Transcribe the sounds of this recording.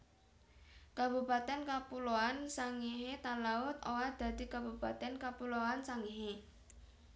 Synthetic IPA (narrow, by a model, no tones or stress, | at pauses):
kabṳpat̪ɛnkapuloansaŋiɦet̪alaʊt̪owad̪̥a̤d̪̥i̤kabṳpat̪ɛnkapuloansaŋiɦe